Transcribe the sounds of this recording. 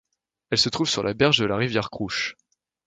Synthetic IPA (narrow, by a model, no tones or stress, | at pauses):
ɛlsət̪χuvsyʁlʔabɛʁʒd̪əlaʁivjɛʁkχuʃ